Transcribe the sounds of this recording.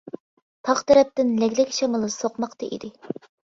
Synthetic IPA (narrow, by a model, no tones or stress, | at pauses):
t̪ʰɑχt̪ʰɛɾɛp̚t̪ɪnlɛkʲlɪkʲʃɛmɨlˠɨsoqmɑqt̪ɑʔḭd̪ɪ